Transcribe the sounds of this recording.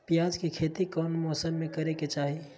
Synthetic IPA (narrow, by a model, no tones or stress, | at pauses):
pjaːd͡ʒkekʰeːt̪ikɔːnmɔːsəmːẽkɐɾeket͡ʃaːɦi